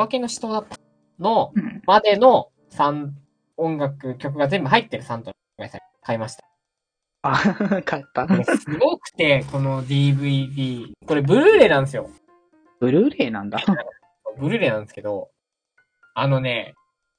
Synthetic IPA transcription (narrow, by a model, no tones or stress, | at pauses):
ake̞no̞ɕi̥t̪oːd̪at̪ːḁ | no̞mad̪e̞no̞ | sãn | õŋɡakɯ̟kʲo̞k̬ɯ̟ɡaze̞mbɯ̟ɦait̪ːe̞ɾɯ̟sãnt̪o | ɡaisa | kaimaɕi̥t̪ḁ | akʰaet̪ːasɨɡo̞kɯ̟̥t̪e̞ko̞no̞d̪ʲiːbɯ̟d̪ʲiːko̞ɾe̞bɯ̟ɾɯ̟ːɾe̞ːnãñd̪es̬ɨjo̞̰ | b̥ɯ̟ɾɯ̟ɾe̞ːnãnd̪a | soːbɯ̟ɾɯ̟ɾe̞ːnãnd̪esɨ̥ke̞d̪o̞̰ | ano̞ne̞